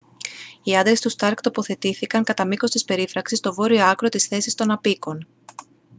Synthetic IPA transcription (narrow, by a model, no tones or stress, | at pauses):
iɐnd̪ɾe̞st̪ust̪ɐɾkt̪o̞po̞θe̞t̪iθikɐŋkɐt̪ɐmiko̞st̪ispe̞ɾifɾɐksist̪o̞vo̞ɾio̞ɐkɾo̞t̪isθe̞sist̪o̞nɐpiko̞n